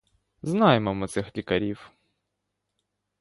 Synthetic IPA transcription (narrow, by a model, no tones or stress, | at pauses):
znajemɐmɔt̪sɛxlʲikɐɾʲiw